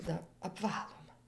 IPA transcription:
dɐ ɐpˈʋɑːlˠʊmɐ

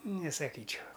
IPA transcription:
nʲɛsɐˈkʲiːt͡ʃʲɛʊ

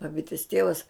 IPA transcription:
bɐˈbʲɪtʲɪs ˈtʲiɛʋɐs

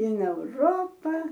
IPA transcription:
ɪn ɛʊˈroːpɐ

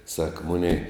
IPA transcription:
sɐk ˈmʊnʲɛɪ

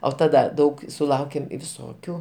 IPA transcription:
oː tɐˈdɐ ˈdɐʊk sʊˈlˠɐʊkʲeːm ʋʲɪˈsoːkʲuː

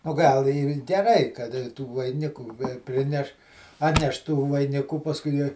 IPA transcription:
oː ˈɡɐlˠ ɪr ɡʲɛˈrɐɪ kɐt tuː ʋɐɪˈnʲɪkuː ˈpʲrʲɪnʲɛʃ ˈɑːtʲnʲɛʃ tuː ʋɐɪˈnʲɪkuː pɐsˈkʊɪ ˈjiɛ

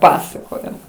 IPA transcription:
ˈpɑːsɐkoːjoː

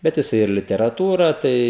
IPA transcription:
ˈbʲɛt jɪˈsɐɪ ɪr lʲɪtʲɛrɐˈtuːrɐ ˈtɐɪ

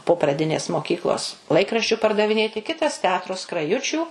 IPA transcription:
poː prɐˈdʲɪnʲeːs moːˈkʲiːklˠoːs ˈlˠɐɪkrɐʃʲt͡ʃʲʊ pɐrdɐʋʲɪˈnʲeːtʲɪ ˈkʲɪtɐs tʲɛˈɑːtroː skrɐˈjʊt͡ʃʲuː

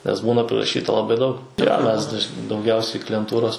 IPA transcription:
nʲɛs ˈbuːnɐ pʲrʲɪrɐˈʃʲiːtɐ lˠɐˈbɐɪ dɐʊk joː ˈmʲɛs dɐʃ dɐʊˈɡʲɛʊsʲɛɪ klʲɪjɛnˈtuːroːs

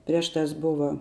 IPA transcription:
ˈpʲrʲiɛʃ ˌtɑːs ˈbʊʋɐ

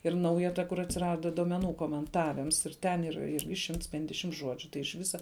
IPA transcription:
ɪr ˈnɐʊjɛ ˈtɐ kʊr ɐtʲsʲɪˈrɑːdɐ duɔmʲɛˈnuː koːmʲɛnˈtɑːʋʲɪms ɪr ˈtʲɛn ˈiːr ˈɪrʲɡʲɪ ˈʃʲɪmts ˈpʲɛnʲdʲɛʃʲɪmt ˈʒuɔd͡ʒʲʊ tɐɪ ɪʃ ˈʋʲɪsɐ

